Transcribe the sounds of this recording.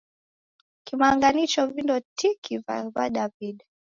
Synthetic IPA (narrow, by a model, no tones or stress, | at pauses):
kimaːŋɡanit͡ʃɔvindɔtikiva̰vaɗaviɗ